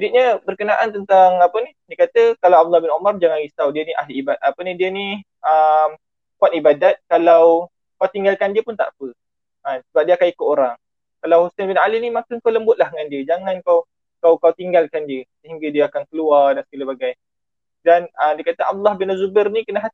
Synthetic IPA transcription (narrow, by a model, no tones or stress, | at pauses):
diʔ̚ɲəbərkənaʔant̪ənt̪aŋapənidiəkat̪əkalawab̚d̪ulːɑhbɪnumard͡ʒaŋãnɣisawdiəniʔa̰ɦliibat̪̚apənĩdiəni | ʔəm | kuat̪̚ibadat̪̚kalaw | kawt̪iŋɡalkandiəpʊnt̪a̰ʔpə | ansəbap̚diəakanikʊʔ̪oɾaŋ | kalawhusanbɪnalinimakankawləmbʊt̪̚lahŋandiəd͡ʒaŋankaw | kawkawt̪iŋɡalkandiəsəɦiŋɡadiəakankəluardansə̥kaləbaɡaj | danədiəkat̪əa̰b̚d̪ulːɑhbɪnəzubərnikənəɦat̪i̥